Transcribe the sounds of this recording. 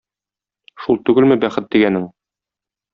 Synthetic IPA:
ʃulˠt̪ʉɡɘlmɘbæχɘt̪̚d̪iɡænɘŋ

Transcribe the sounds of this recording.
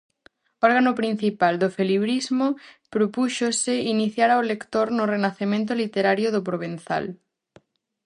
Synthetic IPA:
ɔɾɣanopɾin̟θipald̪ofeliβɾizmopɾopuʃosɪiniθjaɾaolekt̪oɾnʊrenaθemẽnt̪̬olit̪eɾaɾjoðopɾoβ̞en̟θa̰l

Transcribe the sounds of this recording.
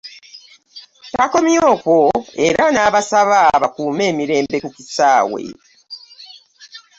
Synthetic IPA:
tako̞mjoːkwoe̞ɾanaːβasaβaβakuːme̞ːmiɾe̞ːmbe̞kucisaːwe̞̰

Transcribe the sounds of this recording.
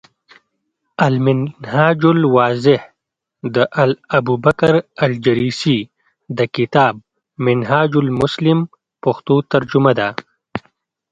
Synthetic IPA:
ɐlmɪnhaːd͡ʒʊlwaːzɪh | d̪əʔɐlɐbuːbɐkaɾɐld͡ʒɐɾisi | d̪əkɪt̪aːb̚ | mɪnɦaːd͡ʒʊlmʊslɪm | pɐxt̪ut̪ɐɾd͡ʒumad̪a

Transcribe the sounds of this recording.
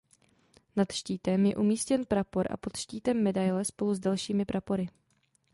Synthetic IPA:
nat̪ʃciːt̪ɛmjɛ̰ʔumiːscɛnpɾapo̞ɾʔa̰po̞t̪ʃciːt̪ɛmːɛdajlɛspo̞luzdalʃiːmɪpɾapo̞ɾɪ

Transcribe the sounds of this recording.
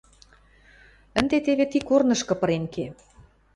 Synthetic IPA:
ə̆nd̪et̪eβet̪ikornɤ̆ʃkɤ̆pɤ̆ɾenke

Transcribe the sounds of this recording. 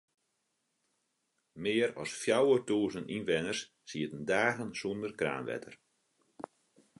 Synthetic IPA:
mɪːəɾɔ̰sfjawətuːzənʔinʋɛnərs | siətəndaːɣənsundərkra̰ːnʋɛ̰tʰə̰r

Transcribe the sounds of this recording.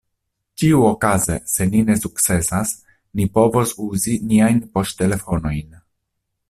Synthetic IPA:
tiuo̞kazese̞nine̞suktt͡se̞sas | nipo̞vo̞suziniajnpo̞stte̞le̞fo̞no̞jn

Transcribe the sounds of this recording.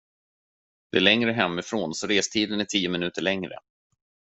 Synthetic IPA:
d̪̥ɛæɭɛŋɾəɦɛmːɪfɾoːnsɔɾeːst̪ʰiːd̪ənæʈʰiːʊmɪnʉ̟ːt̪əɭɛŋɾə̰

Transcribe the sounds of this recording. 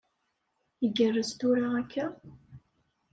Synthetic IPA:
əɡərːəst̪ʊɾaækʰːæ

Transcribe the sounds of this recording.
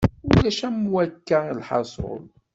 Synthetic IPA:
ʊlæʃæmwækːælħɑ̰sˤo̰l

